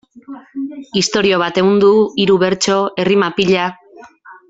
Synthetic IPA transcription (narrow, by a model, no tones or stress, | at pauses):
ist̪o̞ɾio̞β̞at̪e̞ɣund̪uiɾuβe̞ɾt͡ʃo̞e̞rimapiʎa